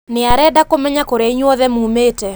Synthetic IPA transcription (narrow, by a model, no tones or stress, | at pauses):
nɪaɾɛdakomɛɲakoɾeiɲwɔðɛmumeːtɛ